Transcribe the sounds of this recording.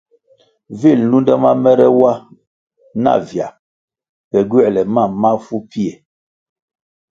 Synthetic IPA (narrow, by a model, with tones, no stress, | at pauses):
vi˦˨lnu˦ndɛ˦ma˦mɛ˦ɾɛ˦wa˦ | na̰˦˨vja˨ | pɛ˨ɡɥɛ˦˨lɛ˨ma˦˨ma˦fu˦pi˦e˨